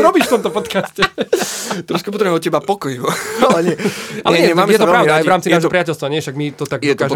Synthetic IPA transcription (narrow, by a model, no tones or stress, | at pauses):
ɾɔbiʃft̪ɔmt̪ɔpɔt̪kascɛ | t̪ɾɔʃkɛpɔt̪ɾɛbmɛɔcɛbapɔkɔjualɛɲɛalɛɲɛɛmaːmjɛt̪ɔpɾaʊd̪aajvɾaːmt͡sinaːʒɔpɾiacɛlst̪ʋaɲɛʃaɡmit̪ɔt̪aɡjkaʒd̪